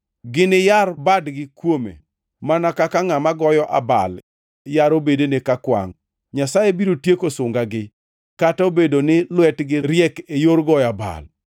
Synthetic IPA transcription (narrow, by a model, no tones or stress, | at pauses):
ɡɪnɪjarbadɡɪkwomḛ | manakakaŋamaɡɔjɔʔaba̰l | jaɾobedenekakwa̰ŋ | ɲasajebiɾotjekosʊŋɡaɡɪ | kataobedonɪlwɛtɡɪɾjɛkejoɾɡɔjaba̰l